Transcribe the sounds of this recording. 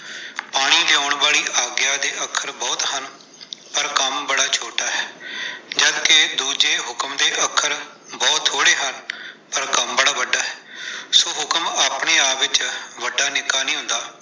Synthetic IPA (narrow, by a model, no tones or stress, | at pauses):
paːɽ̃iːlɪaːʊɳbaːɭiːʔaːɡjaːd̪eːʔəkʰːəɾbɔːt̪hən | pəɾkəmbəɽaːt͡ʃʰoːʈaːɦɛːd͡ʒəd̪ked̪uːd͡ʒeːɦʊkəmd̪eːʔəkʰəɾ | bɔːt̪ʰːoːɽeːɦənpəɾkəmbəɽaːʋəɖːaːɦɛːsoːɦʊkəmaːpɳeːaːpʋɪt͡ʃʋəɖaːnɪkaːnĩːɦʊ̃nd̪aː